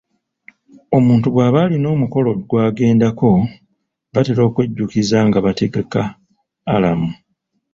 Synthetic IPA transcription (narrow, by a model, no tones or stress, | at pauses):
o̞muːntuɡwaːβalino̞ːmuko̞lo̞ɡwaːɡe̞ːndako̞ | βateɾo̞ːkwe̞ɟːukizaŋɡaβate̞ɡe̞kaː | lamu